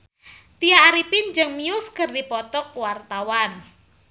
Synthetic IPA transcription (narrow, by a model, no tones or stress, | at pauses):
t̪iaːɾipɪnd͡ʒɨŋmiʊskɨrdipɔt̪ɔkwart̪awan